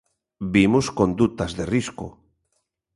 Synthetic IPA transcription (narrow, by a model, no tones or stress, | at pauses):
bimuskond̪ut̪azðerisko̰